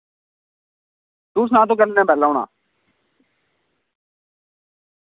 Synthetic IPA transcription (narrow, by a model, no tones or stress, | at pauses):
t̪uːs̬nãːt̪õːk̬əɾnɛːbʱɛːlːaːɳa̰ː